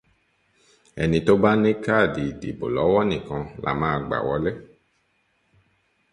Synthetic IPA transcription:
ɛ˨nĩ˨t̪o˦ba˦nẽ˦ka˦˨di˨dḭ˨bo̰˨lɔ˨˦wɔ˦nĩ˨kɔ̃˧lʔa̰˨mã˦˨ɡ͡ba̰˨wɔ˦le˦

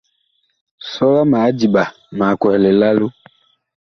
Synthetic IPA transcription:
sɔ˦la˦maː˨˦d͡ʒi˨ba˨ | ma˨kwɛ˨lɛ˨la˦lo˦

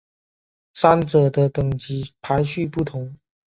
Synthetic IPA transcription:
sa˥nt͡sɤ˨˩d̪ə˦t̪ɤ˨˩ŋt͡ɕi˨˥pʰa˧˦˥ɪɕy˥˧pu˥˩t̪ʰʊ˧˦ŋ

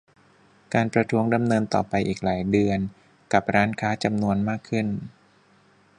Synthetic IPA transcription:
kaː˧npɾa˧t̪ʰu˦˥əŋda˧mnɤː˧nt̪ɔː˨˩pa˧jʔiː˨˩k̚laː˩˦jdɯ˧ən | ka˨˩p̚ɾaː˦˥nkʰaː˦˥t͡ɕa˧mnu˧ənmaː˥˩kʰːɯ˥˩n

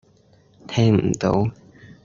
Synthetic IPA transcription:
t̪ʰɛ˧˥ŋm̩˨˩t̪o̰˨˥w

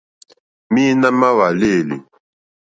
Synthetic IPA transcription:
mi˦na˦ma˦wa˨le˦˨lḭ˨

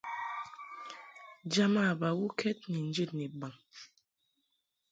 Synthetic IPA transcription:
d͡ʒa˦ma˦˨ba˨wu˦kʰɛ˦t̚ni˨n˦d͡ʒi˦˨tni˨ba˨ŋ

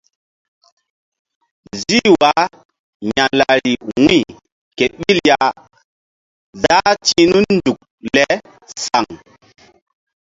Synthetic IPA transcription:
zi˦wa˨˦ | ɲa˨la˨ɾi˨wi˦˨ | ke˨ɓi˦lja˦ | da˦ti˦nu˦nndu˨k̚le˨˦ | sa˨ŋ

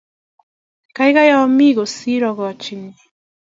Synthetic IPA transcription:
ka˦jɣa˦ja˦ɔ˦mi˦ɣo˨si˦ɾɔ˨ɣɔ˨t͡ʃi˨ni˨

